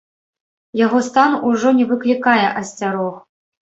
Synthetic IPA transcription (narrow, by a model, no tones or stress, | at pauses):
jaɣɔst̪anuʐɔnʲɛvɨklʲikajɛʔɐsʲt͡sʲaɾɔx